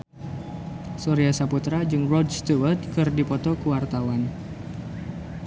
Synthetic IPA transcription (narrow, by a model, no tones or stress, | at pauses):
sɔɾiasaput̪ɾad͡ʒɨŋrɔdst̪uwərt̪̚kɨrdipɔt̪ɔkuwart̪awan